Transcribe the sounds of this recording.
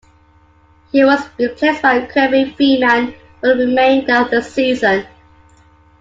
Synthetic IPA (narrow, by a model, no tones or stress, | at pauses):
hiwɔzbipʰɛsb̥aɪkʰɹɛvifiman | wəɹimẽɪ̃ndəðəsiːzə̃n